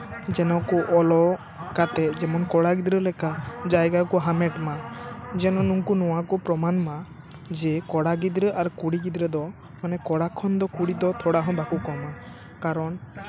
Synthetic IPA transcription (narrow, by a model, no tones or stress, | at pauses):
d͡ʒɛnɔkuʔɔlɔ | kat̪ɛd͡ʒɛmɔnkɔɽaɡid̪ɾəlɛkad͡ʒajɡakuɦamɛʈmad͡ʒɛnɔnuŋkunɔwakupɾɔmanma | d͡ʒɛkɔɽaɡid̪ɾəʔaɾkuɽiɡid̪ɾəd̪ɔ | manɛkɔɽakʰɔnd̪ɔkuɽid̪ɔt̪ʰɔɽaɦɔ̃bakukɔma | kaɾɔn